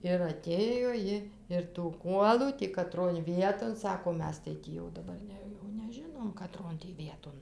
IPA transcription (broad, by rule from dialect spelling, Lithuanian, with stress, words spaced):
ɪr ˈɑːtʲeːjoː ˈjɪ ɪr tuː ˈkuɔlˠuː tʲiː kɐˈtroːn ˈʋʲiɛtoːn ˈsɑːkoː ˈmʲɛs tɐɪ ˈtʲiː jɛʊ dɐˈbɐr nʲɛ jɛʊ nʲɛˈʒʲɪnoːm kɐˈtroːn tʲiː ˈʋʲiɛtoːn